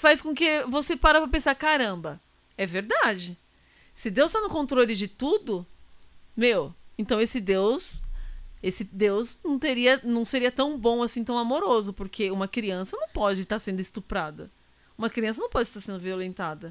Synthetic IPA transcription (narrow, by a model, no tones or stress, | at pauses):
fajskõkɪvosepaɾɐpɾɐpẽsaɾkaɾɐ̃mbɐ | ɛveɾd̪ad͡ʒɪ | sɪd̪ewst̪anʊkõnt̪ɾolɪd͡ʒɪt̪ud̪ʊ | mewẽnt̪ɐ̃w̃esɪd̪ews | esɪd̪ewznɐ̃w̃t̪eɾiɐnɐ̃w̃seɾiɐt̪ɐ̃w̃bõw̃asĩt̪ɐ̃w̃amoɾozʊpoɾkʰeũmɐkɾiɐ̃sɐnɐ̃w̃pɔd͡ʒɪst̪aɾsẽnd̪ʊɪst̪upɾad̪ɐ̰ | ũmɐkɾiɐ̃s̬ɐnɐ̃w̃pɔd͡ʒɪst̪aɾsẽnd̪ʊviolẽnt̪ad̪ɐ